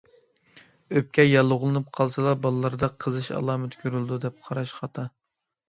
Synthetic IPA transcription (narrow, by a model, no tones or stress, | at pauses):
øp̚kʲɛjɑlˠːʊʁlˠɨnɨp̚qʰɑlˠsɨlˠɑbɑlˠɨlˠɑɾd̪ɑqʰəzɨʃɑ̰lˠɑːmɪt̪kʲʰøɾylˠd̪ud̪ɛp̚qʰɑɾɑʃχɑt̪ʰɑ